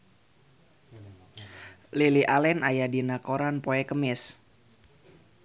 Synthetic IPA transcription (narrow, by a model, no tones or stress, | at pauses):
liliʔalɛnajadinakoɾanpoɛkəmɪs